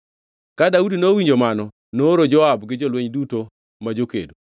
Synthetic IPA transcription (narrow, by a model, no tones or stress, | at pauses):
kadaudinowiɲd͡ʒomanɔ | noɾod͡ʒɔabɡɪd͡ʒolweɲduto | mad͡ʒokḛdo